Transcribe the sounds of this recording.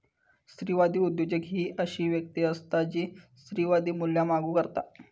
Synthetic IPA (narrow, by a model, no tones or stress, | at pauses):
st̪ɾiːʋad̪iːud̪jod͡ʑəɡɦiːʔəɕiːʋjək̚t̪iəst̪ad͡ʑiːst̪ɾiʋad̪iːmuljamaɡuːkəɾt̪a̰